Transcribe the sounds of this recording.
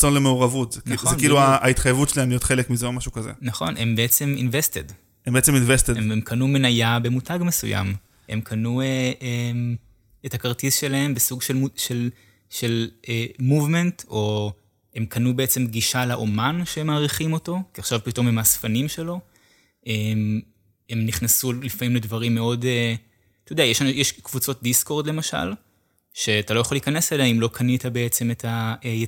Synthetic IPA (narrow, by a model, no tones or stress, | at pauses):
t͡sonlemeuʁavutzknχzoenkiiluaait̪χajevutt͡ʃʃelaelijot̪χelekmizomaʃukazḛnaχo̞̰nʔe̞mbeet͡se̞mḭnvested | embeet͡seminvesteeemkʰɐnume̞najabe̞mutaɡmesṵja̰m | e̞mkʰanueʔem | ethakɐʁtisʃe̞lahe̞mbesuɡʃeluʃel | ʃe̞lemuvmento̞ | emkʰanubeet͡se̞mɡiʃalaʔomanʃemaːʁiχimo̞to̞kiaχʃavpito̞memasfanimʃelo̞ | ʔem | e̞mniχnasulifamimledvɐʁimːeo̞de | t̪ojodeajeʃanjɛʃkvut͡so̞t̚disko̞ʁd̪le̞maʃa̰l | ʃe̞atalojaχolikanesleleaimlo̞kʰanitabeet͡se̞me̞tʰaeje